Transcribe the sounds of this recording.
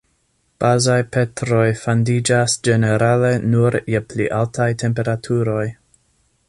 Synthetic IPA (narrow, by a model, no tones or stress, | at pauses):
b̥azajpe̞tɾo̞jfandid͡ʒasd͡ʒe̞ne̞ɾale̞nuɾjeplḭʔaltajtʰe̞mpe̞ɾatʰuɾo̞j